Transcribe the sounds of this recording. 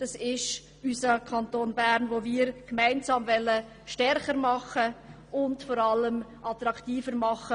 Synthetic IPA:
d̥ɑsɪʃ | ysəkʰɑntoːnbæɾnvoːmiːɾkmaɪnsɑːmvɛlːə | ʃtɛɾχəɾmɑχə | ʊntfɔɾɑlːəmʔɑt̪ɾɑktiːfəɾmɑχːə

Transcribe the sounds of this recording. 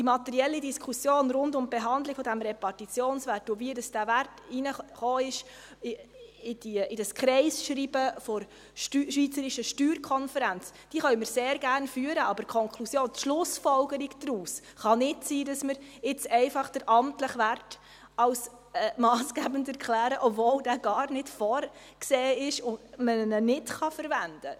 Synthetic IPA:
d̥imɑt̪ɛɾiɛlːidiskʰusjoːnɾʊndʊmbeɦɑndlɪkfɔdæmɾɛpɑrtit͡sjoːnsʋærtʊviədɑsd̥æværtinəχoːɪʃ | ɪd̥iɪd̥ɑskχɾɛɪsʃɾiːbəfɔɾ | ʃʋiːt͡səɾɪʃəʃtyːɾkʰɔnfəɾænt͡s | d̥iːχœɥməɾseːɾɡærnfyːəɾəɑbəɾkʰɔŋkʰlusjoːntʃlʊsfɔlɡəɾiɡd̥ɾuːs | χɑnɪtsiːdɑsməɾɪt͡sɛɪfɑχd̥əɾʔɑmtləχʋært | ɑls | mɑːsɡ̥æːbəndæɾkχlæːɾəʔɔpvoːldæːɡɑːɾnɪtfɔːɾ | kseːɪʃʊndmənənɪtχɑfəɾvænd̥ə

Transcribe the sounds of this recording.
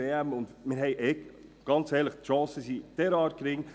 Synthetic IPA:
ɛbm̩ʊndmɪːɾɦɛɪʔɛɡ̥ɑnt͡sɛːɾləχtʃɑ̃ːsəsitɛɾɑːɾkɾɪŋ

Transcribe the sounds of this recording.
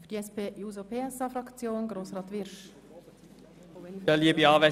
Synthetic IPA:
fyd̥iɛspʰeːjuːzopʰeːɛsɑːfɾɑkt͡sjoːnɡɾoːsʁɑːt̪ʋɪɾʃ | əliəbiɑːʋɛ

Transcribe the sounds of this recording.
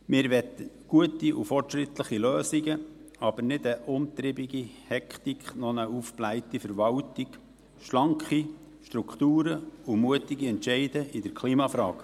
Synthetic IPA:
mɪːɾʋɛt̪ə | ɡ̥uətiʔufɔrtʃɾɪt̪ləχiløːsiɡəɑb̥əɾnɪdəʔʊmt̪ɾɪbiɡi | hɛkχt̪ikχnɔnəufplæɪtifəɾʋɑwtik | ʃlɑŋkχi | ʃt̪ɾukχt̪uːɾəumuətɪɡiɛntʃɛɪdəʔid̥əɾkʰliːmɑfɾɑ̰ːk

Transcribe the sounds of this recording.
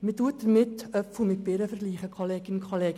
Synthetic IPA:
mituət̚d̥əɾmɪt̪œpfʊmɪt̚b̥ɪɾəfəɾɡliːχəkʰoleːɡɪnkʰoleːɡ

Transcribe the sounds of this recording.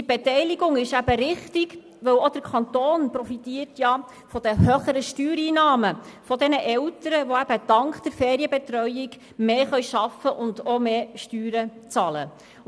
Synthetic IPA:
dib̥ɛt̪ɛjliɡʊŋɪʃæbəɾɪχtiɡ | ʋɵwod̥̪əɾkʰɑnt̪oːnprɔfit̪iːərtjɑ | fɔd̥̪əhøχəɾəʃtyːɾiːnɑːməfɔd̪ɛnəʔɛlt̪əɾəʋoæb̥əd̥̪ɑŋkd̪̥əɾfɛːɾiəbɛt̪ɾœjɪɡ | meːχœɥʃɑfəʔʊndomeːʃtyːɾət͡sɑlə̰

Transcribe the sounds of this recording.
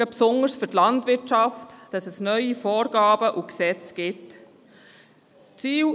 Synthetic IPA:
əpsʊŋəɾsfʏtlɑntvɪɾtɑftd̥ɑsɛsnœʏifɔːɾɡ̥ɑːbəʔuksɛt͡sɡ̥ɪt | t͡siː

